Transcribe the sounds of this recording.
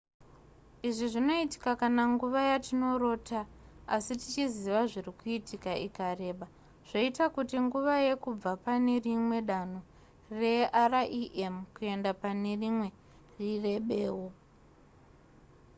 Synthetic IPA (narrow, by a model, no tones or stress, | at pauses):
iʐiʐino̞iti̥kakanaŋɡuʋajatino̞ɾo̞ːtaasitit͡ʃiziʋaʐirikuitʰikaʔḭkare̞ːɓa | ʐ̥oitakutiŋɡuʋaje̞kub͡vapane̞rimwe̞ɗano | re̞araʔiʔemkue̞ndapane̞rimwe̞ | rire̞ɓeːwo